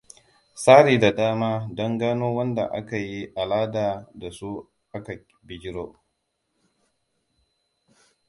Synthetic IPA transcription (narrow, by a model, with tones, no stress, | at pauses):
saː˦ɽiː˨da˨daː˦maː˦dɔ˦ŋɡaː˦noː˦wɐ˦nda̰˨ʔa̰˦ka˨ji˦ʔa˨laː˦daː˨da˨su˦ | ʔa˦ka˨ | bɪ˨ɡʲɪ˦ɽo˦